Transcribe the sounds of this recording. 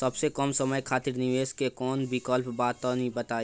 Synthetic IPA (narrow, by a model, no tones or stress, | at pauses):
sɐbsekɔmsɐməjkʰaːt̪ɪɾnɪʋeːskekɔːnbɪkɔːlpbaːt̪ːɔnibɐt̪aːi